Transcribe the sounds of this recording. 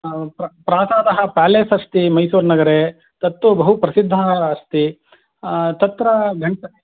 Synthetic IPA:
pɾɐpɾaːsaːd̪ɐɦɐpaːleːsɐst̪imɐjsuːɾnɐɡɐɾe | t̪ɐt̪ːubɐɦupɾɐsid̪ʱːɐst̪i | t̪ɐt̪ɾɐɡʱɐɳʈɐ

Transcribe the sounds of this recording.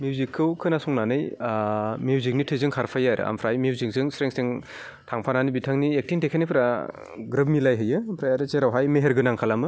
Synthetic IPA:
mjuuzikʰːɯwkʰɯnasuŋnanɯj | miuzik̚nitʰɯzɯŋkʰaɾpʰajaɾɯ̰a̰mpʰɾajmjiuwzik̚zɯŋsɾeŋsiŋ | tʰaŋpʰananibitʰaŋniek̚tiŋtʰekʰanipʰɾa | ɡɾɯp̚milajɦɯjɯpʰɾajaɾɯt͡ʃeɾawɦajmeɦeɾɡɯnaŋkʰalamɯ

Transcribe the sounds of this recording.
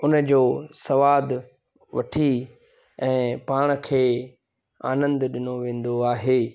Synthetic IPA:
ʊnəd͡ʑoːsɐʋaːd̪ | ʋɐʈʰi | ɛ̃ːpaːɽ̃̆kʰeː | aːnə̃nd̪ɗɪnoʋẽːn̆d̪oaːɦeː

